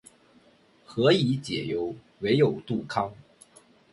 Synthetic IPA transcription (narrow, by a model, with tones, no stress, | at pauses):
xɤ˧˥i˧˥t͡ɕjɛ̰˨˩jo˧˥ʊ | we˧˥ɪjo˨˩ʊt̪u˥˩kʰɑ˥ŋ